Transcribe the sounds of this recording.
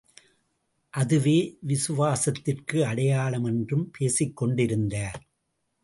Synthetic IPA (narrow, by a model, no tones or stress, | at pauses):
ʔɐðɯʋeːʋɪsɯʋaːsɐt̪ːɪrkɯɐɽɐjaːɭɐmɛndrɯmpʰeːsɪkːɔɳɖɪɾɯnd̪aːɾ